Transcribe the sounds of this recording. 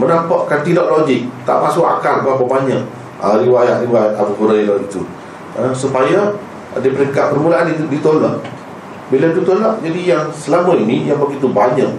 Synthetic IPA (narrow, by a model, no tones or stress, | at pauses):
mənampaʔkant̪idɔʔ̚loɡɪk̚t̪a̰ʔmasʊʔa̰karbapabaɲaʔ | aɾiwajaʔ̪riwajat̪̚abukuɾaiɾɔʔit̪u | əsupaja | dipəɾiŋkat̪̚bərmulaʔandidit̪onlah | biladut̪onlahd͡ʒadijaŋsəlamãinijaŋbəɡit̪ubaɲaʔ